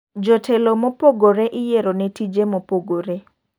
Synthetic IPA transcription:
d͡ʒɔtʰelomopoɡoɾeʔɪjeɾonɛtid͡ʒemopoɡoɾe

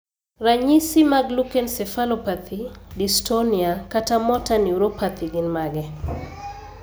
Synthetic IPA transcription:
raɲisimaɡlukɛnsɛfalopat̪ʰidistoniakatamɔtaniuɾopat̪ʰiɡinmaɡɛ

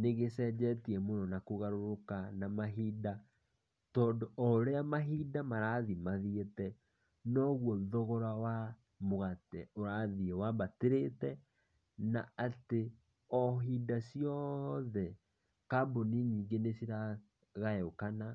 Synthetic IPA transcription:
neɣesɛd͡ʒɛtiɛmonɔnakoɣaɾoɾokanamaɦida | tɔːndoɔɾeamaɦidamaɾaðimaðietɛ | nɔɣwɔðɔɣɔɾawa | moɣatɛoɾaːðiewabateɾetɛ | naate | ɔɦidasiɔðɛ | kaboniɲiːŋɡenesiɾa | ɣaɛokana

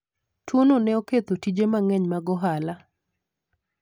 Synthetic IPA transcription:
twononɛoket̪otid͡ʒemaŋɛɲmaɡɔɦala

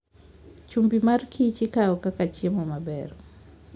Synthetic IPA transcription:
t͡ʃumbimarkʰit͡ʃikaɔkakat͡ʃiemɔmabɛɾɔ

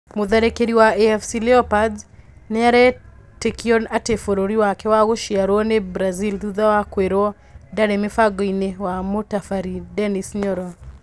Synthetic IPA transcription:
moðaɾekeɾiwaeɛfsileɔpadnɛaɾɛ | tekiɔnatefoɾoɾiwakɛwaɣoʃiaɾɔɔnebɾazilðuðawakweɾɔɔ | daɾemefaɡɔinewamotafaɾidɛnisɲɔɾɔ

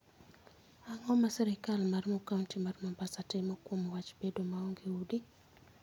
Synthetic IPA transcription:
aŋɔmasɛɾikalmarmɔkauntimarmambasatɛmɔkwomɔwat͡ʃbedomaɔŋɡiudi

